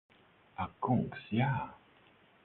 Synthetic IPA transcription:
akuŋksja

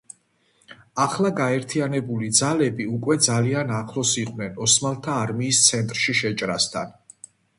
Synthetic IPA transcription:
aχlˠaɡaɛɾt̪ʰianɛbulid̪zalɛbiukʼwɛd̪zalianaχlˠɔsiqʼwnɛnɔsmalˠt̪ʰaːɾmiːst̪sʰɛnt̪ʼɾʃiʃɛt͡ʃʼɾast̪ʰa̰n

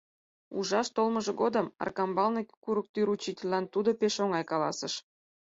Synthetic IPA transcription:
uʒɑʃt̪olməʒĕɡod̪ə̆mɑ̰rkɑmbɑlnekuɾuk̚t̪yɾut͡ɕitʲelʲːɑnt̪ud̪opeʃoŋɑjkɑlɑ̰sə̆ʃ

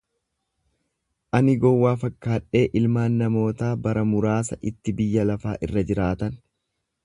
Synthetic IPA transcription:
ʔɐnɪɡɔwːaːfɐkːaːᶑe̞ːʔɪlmaːnːɐmo̞ːt̪aːbɐɾɐmʊɾaːsɐʔɪt̪ːɪbɪjːɐlɐfaːʔɪ̰rːɐd͡ʒɪɾaːt̪ɐn

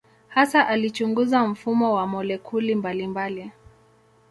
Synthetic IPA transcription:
hasaʔalit͡ʃuŋɡuzam̩fumɔwamɔlɛkʰulimbalimbali

